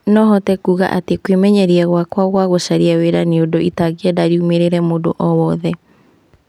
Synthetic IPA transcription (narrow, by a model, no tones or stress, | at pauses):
nɔɦɔtɛkuɣa̰ʔatekwemɛɲɛɾiɛɣwakwaɣwaɣosaɾiaweɾaneodoʔitaɣeɛdaɾiumeɾeɾɛmodo̰ʔɔwɔðɛ